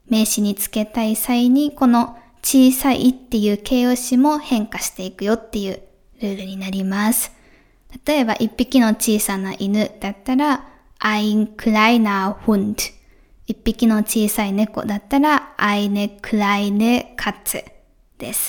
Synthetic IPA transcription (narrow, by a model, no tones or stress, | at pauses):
me̞ːɕiɲ̟it͡sɨ̥ke̞t̪aisaiɲ̟iko̞no̞ | t͡ɕiːsaḭʔit̪ːe̞jɯ̟ːkʰe̞ːoɕimo̞hẽ̞ŋkaɕi̥t̪e̞ikɯ̟jo̞t̪ːe̞jɯ̟ː | ɾɯ̟ːɾɯ̟ɲ̟inaɾʲimasɨ̥ | t̪at̪o̞e̞ba̰ʔipʲːikʲino̞t͡ɕiːsanaʔinɯ̟d̪̥at̪ːaɾa | aiŋkɯ̟ɾainaɸɯ̃nd̪ɯ̟̥ | ipʲːikʲino̞t͡ɕiːsaine̞ko̞̰d̪at̪ːaɾaainekɯ̟ɾainekʰat͡sɨ | d̪̥e̞sɨ̥